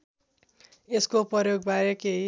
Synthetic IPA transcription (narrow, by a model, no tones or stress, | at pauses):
eskoprʌjoɡ̚baɾʌke